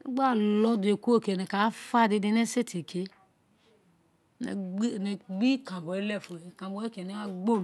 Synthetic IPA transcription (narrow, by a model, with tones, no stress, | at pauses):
ḭ˦ɡ͡ba˦˨lɔ˦de˨ku˦o˦˨ke˨nɛ˨ka˨˦fa˦˨di˨˧di˧nɛ˦se˦tʰi˨kʰe˦ | n̰˨˦˨nɛ˨ɡ͡bi˦kã˨bɔ˨i˦lɛ˦˨fu˨e˨kã˨bɔ˨e˦ke˨ni˦a˦ɡ͡bo˦˨